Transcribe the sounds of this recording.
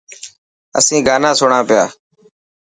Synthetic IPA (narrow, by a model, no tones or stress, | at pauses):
ə̰sĩːɡaːnãːsʊɳãːpɪja̰ː